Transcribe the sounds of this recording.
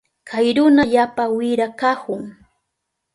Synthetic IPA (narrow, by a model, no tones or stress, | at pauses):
kʰajɾʊnaʎaːpawɪɾakakʊŋ